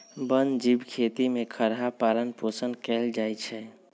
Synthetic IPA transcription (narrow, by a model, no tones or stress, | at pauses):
bənd͡ʒibkʰet̪imekʰəɾɦapaɾənposənkɛld͡ʒajt͡ʃʰɛ